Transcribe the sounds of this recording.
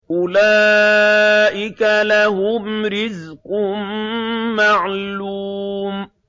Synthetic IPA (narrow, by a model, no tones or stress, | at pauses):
ʔʊla | ʔɪkalaɦʊmɾɪzqʊmː | aʕluːm